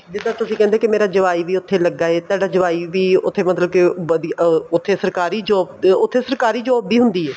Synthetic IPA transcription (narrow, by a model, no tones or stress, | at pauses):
d͡ʒɪd̪aːt̪ʊsĩːkɛ̃ːnd̪eːkɪmeːɾaːd͡ʒəʋaːiːʋiːʊt̪ʰːeːləɡːaːeːt̪aːɖaːd͡ʒəʋaːiːʋiːʊ̰t̪ʰːeːmət̪ləbkɪəd̪ʊt̪ʰːeːsəɾkaːɾiːd͡ʒɔːbʊt̪ʰːeːsəɾkaːɾiːd͡ʒɔːbːiːɦʊ̃nd̪iːɛː